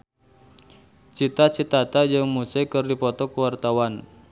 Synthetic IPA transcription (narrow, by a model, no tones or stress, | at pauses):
t͡ʃit̪at͡ʃit̪at̪ad͡ʒəŋmusajkɨrdipɔt̪ɔkuwart̪awan